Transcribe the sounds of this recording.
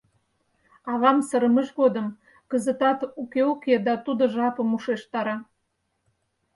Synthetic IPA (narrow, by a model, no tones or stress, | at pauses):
ɑβɑmsəɾəməʃɣod̪əm | kəzə̆t̪ɑt̪ukeuked̪ɑt̪ud̪ŏʒɑpə̆muʃeʃt̪ɑɾɑ